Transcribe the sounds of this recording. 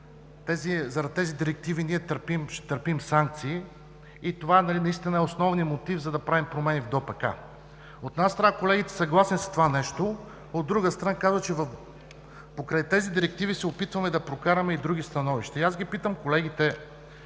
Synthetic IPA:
t̪ɛzizɐɾɐd̪̚t̪ɛzid̪iɾɛk̚t̪iviniɛt̪əɾpimʃɛt̪əɾpimsaŋk̚t̪siː | it̪ovaɛnɐlinɐist̪ʲinəɛosnɔvnijəmot̪ivzɐd̪ɐpɾavimpɾomɛnivd̪ɔpɐka̰ | ot̪ɛnast̪ɾənakolɛɡʲit̪ɛ̥sɐɡlˠasnisɐ̥t̪ovanɛʃt̪o | od̪ːɾuɡəst̪ɾɐnakazvɐt͡ʃɛvf | pokɾajt̪ɛzid̪iɾɛk̚t̪ivisɛopit̪vɐmɛd̪ɐpɾokaɾɐmɛid̪ɾuɡist̪ɐnɔviʃt̪ɐiazɡʲipit̪əmkolɛɡit̪ɛ

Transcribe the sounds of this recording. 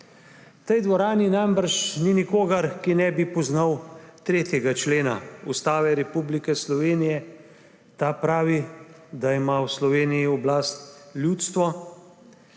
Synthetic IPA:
t̪ɛjd̪ʋɔɾaːninajmbaɾt͡ʃninikoːɡaɾkinɛbipɔznawt̪ɾeːt̪jɛɡat͡ʃleːna̰ust̪aːʋɛɾɛpublikɛslɔʋeːnijɛ | t̪apɾaːʋi | d̪aimawslɔʋeːnijiɔblast̪lʲjuːt̪st̪ʋɔ

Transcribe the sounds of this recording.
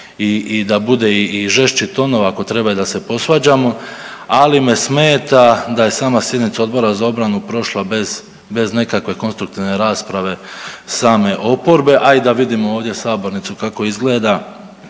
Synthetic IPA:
iːd̪abud̪e̞iːʒe̞ʃt͡ʃit̪o̞no̞ʋaako̞t̪ɾe̞bajud̪ase̞po̞sʋaːd͡ʑamoalime̞smeːt̪ad̪aje̞saːmasje̞d̪nit̪sao̞d̪bo̞ɾazao̞bɾanupɾo̞ʃlˠabez | be̞zne̞kakʋe̞ko̞nst̪ɾuk̚t̪iʋne̞ɾaːspɾaʋe̞saːme̞ʔo̞po̞ɾbe̞ʔaid̪aʋid̪imooːʋd̪je̞saːbo̞ɾnit̪sukako̞izɡle̞ːd̪a

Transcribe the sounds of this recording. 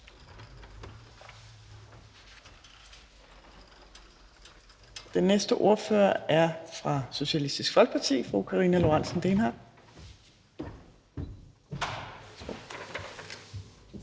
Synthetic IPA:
d̥enːesd̥əʔo̝ɐføɐæɐfʁɑ̈so̝ɕælisd̥isɡ̥fɒ̽lɡ̥̚pʰɑt͡sʰḭːfʁṵkʰɑ̈ʁḭːnælo̝ʁɑn̰sn̩d̥eːnɦɑ̰̈ː

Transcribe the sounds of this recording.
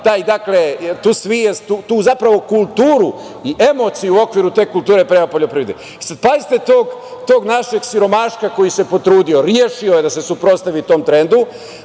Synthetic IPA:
t̪aːjd̪akle̞t̪uːsʋijest̪uːt̪uːzapɾaʋo̞kulˠt̪uːɾu | iʔe̞mo̞t̪sijuo̞kʋiːɾut̪e̞ːkult̪uːɾe̞pɾeapo̞ʎo̞pɾiːʋd̪i | isad̪̚paist̪et̪oːɡt̪o̞ːɡnaʃe̞ɡsiɾo̞maʃkako̞jise̞po̞t̪ɾuːd̪io̞ɾjeːʃioje̞d̪ase̞supɾo̞t̪st̪aʋit̪o̞ːmt̪ɾe̞nd̪u

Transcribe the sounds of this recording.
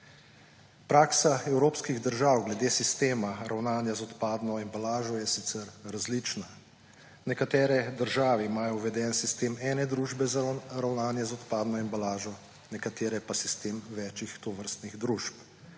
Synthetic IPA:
pɾaːksaɛwɾoːpskiɣd̪əɾʒawɡlɛd̪eːsist̪eːmaɾawnaːnjazɔt̪paːd̪nɔimbalaːʒɔjɛsit̪sɛɾɾazlit͡ʃna | nɛkat̪ɛːɾɛd̪əɾʒaːʋɛimaːjɔʋɛd̪ɛnsist̪eːmɛːnɛd̪ɾuːʒbɛzɾawnaːnjɛzɔt̪paːd̪nɔimbalaːʒɔ | nɛkat̪eːɾɛpasist̪eːmʋɛːt͡ʃixt̪oʋəɾst̪niɣd̪ɾuːʃp

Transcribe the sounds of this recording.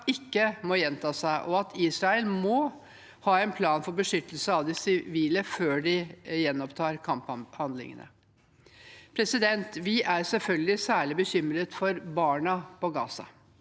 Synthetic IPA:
ɪkːəmɔjɛnt̪ʰɑːsæɪʔɔɑt̪ʰiːsɾɑɛlmɔ | hɑːɛnpʰlɑːnfɔɾbəʂʏt̪əlsəɑʋd̪ɪsɪʋiːləføːɖɪjɛnːɔpt̪ʰɑːɾkʰɑmphɑnd̪lɪ̰ŋə̰nə̰ | pʰɾɛsɪd̪ɛnt̪ʋɪʔæɾsɛlfœlɡəlɪsæːɭɪbəçʏmɾət̪fɔɾbɑːɳɑpɔɡɑːsɑ̰

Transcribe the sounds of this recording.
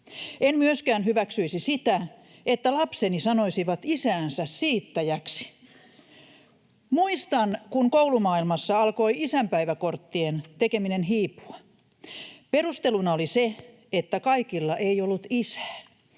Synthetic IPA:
enmyøskæːnhyʋæksyisisit̪æ | et̪ːælɑpsenisɑnoisiʋɑt̪isæːnsæssiːt̪ːæjæksi̥ | muist̪ɑnkuŋkoulumɑːilmɑsːɑɑlkoiisæmpæiʋækort̪ːient̪ekeminenɦiːpu̥ɑ | perust̪elunɑolise | et̪ːækɑikilːɑʔeiolːut̪isæ̥ː

